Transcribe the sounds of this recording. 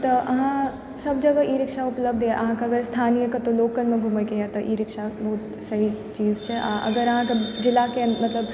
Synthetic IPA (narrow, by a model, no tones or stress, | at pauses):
t̪ɐʔɐɦã | sɐb̚d͡ʒɐɡaʔiɾɪkʃaʊpləbd̪jeʔɐɦãkaɐɡəɾst̪ʰaːnijəkat̪oloːkənmẽɡʱuməkeat̪oʔḭɾɪkʃabɐɦʊt̪ | sɐɦit͡ʃiːzt͡ʃʰɛʔaʔɐ̰ɡəɾɐɦãkad͡ʒɪlakenmɐt̪ləb